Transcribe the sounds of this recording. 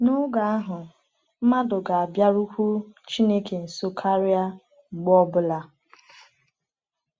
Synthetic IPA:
nʊ˦ɡa˨a˦ɦʊ˨ | m̩˦ma˦dʊ˨ɡa˨a˨bja˦ɾu˦kʷu˦t͡ʃi˦ne˦ke˨n̩˨so˦kʰa˦ɾi˦a˦ | ŋ͡m̩˨ɡ͡bɔ˦bʊ˦la˦

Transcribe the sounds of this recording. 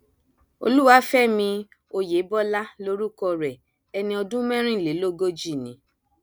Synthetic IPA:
o̰˧lu˦wa˧˦fɛ˦˨mĩ˧ | o˧je˨˦bɔ˦la˦lo˦ɾu˦kɔ˧ɾɛ˨ | ɛ˧nĩ˧ɔ˧dũ˦mɛ̃˦ɾ̃ĩ˦˨le˨˦lo˦ɡo˦d͡ʒi˦˨nĩ˨˦

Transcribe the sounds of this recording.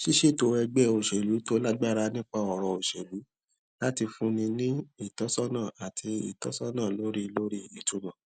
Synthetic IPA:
ʃi˦ʃe˦˨to˧˦ɛ˧ɡ͡bɛ˦o˨ʃɛ˨lu˨˦to˦la˦ɡ͡ba˦˨ɾa˧nĩ˦k͡pa˧ɔ˨ɾɔ˨˧o˨ʃɛ˨lu˨˦ | la˦ti˧fũ˦nĩ˧nĩ˦i˦˨tɔ˨˦sɔ˦nãː˦˨a˨tʰi˧ḭ˨tɔ˨˦sɔ˦nãː˦˨lo˨˦ɾi˦lo˦ɾi˦i˨tu˨˦mã˨

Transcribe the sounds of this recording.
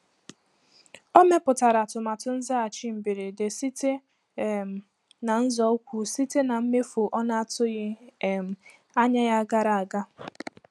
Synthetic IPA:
o˦me˦pʊ˨ta˨ɾa˨tʊ˨ma˨tʊ˦n̩˦za˦a˨t͡ʃi˦m̩˨bi˨ɾe˨de˨si˦te˦˨ | na˨n̩˦zɔ˦kʷu˨si˦te˦na˨m̩˦me˦fu˨ʔɔ˦na˦a˨tʊ˦ɣɪ˦˨m̩˨ | a˦ɲa˦ja˦ɡa˦ɾa˨a˨ɡa˦

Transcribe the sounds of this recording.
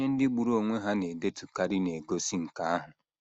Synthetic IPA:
ɲe˦n̩˦dɪ˦ɡ͡bu˨ɾo˨ŋʷe˦ɦa˦ne˨de˦tu˨ka˨ɾi˦ne˨ɡo˦si˦ŋ̩˨ka˦a˦ɦʊ˨

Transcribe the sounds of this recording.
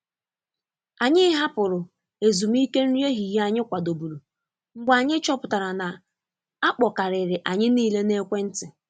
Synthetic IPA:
a˨ɲɪ˦ɦa˦pʊ˨ɾʊ˨ | e˨zu˨m˦i˦ke˦n̩˦ɾe˦ɦi˨ja˦ɲɪ˦kʷa˨do˨bu˨ɾu˨ | ŋ͡m̩˦ɡ͡ba˨ɲɪ˦t͡ʃɔ˦pʊ˨ta˨ɾa˨na˨ | a˦k͡pɔ˨ka˨ɾɪ˨ɾɪ˨ʔa˨ɲɪ˦niː˦le˦ne˦kʷe˦n̩˦tɪ˨

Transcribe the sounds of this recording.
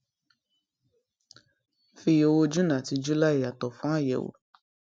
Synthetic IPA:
fi˧jo˧˨wo˧˦d͡ʒu˦nã˨ti˨˧d͡ʒu˦la˦i˨a˨tɔ˨fã˦a˦˨jɛ̰˨wo̰˨

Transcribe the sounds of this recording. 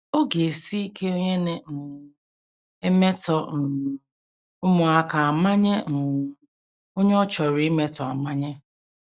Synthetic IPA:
o˦ɡe˨si˦i˦ke˦o˦ɲe˦ne˦n̩˨ | e˦me˦tɔ˨n̩˨ | ʊ˦mʊ˨a˦ka˨a˨ma˦ɲe˦n̩˨ | o˦ɲe˦ɔ˦t͡ʃɔ˨ɾi˨˦me˦tɔ˨a˨ma˦ɲe˦

